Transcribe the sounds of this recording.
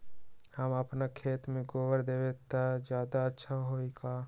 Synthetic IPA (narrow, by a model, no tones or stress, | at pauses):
həməpnakʰeːt̪mẽɡoːʋəɾd̪eːʋet̪ad͡ʒjaːd̪aətːʃʰaɦoːikaː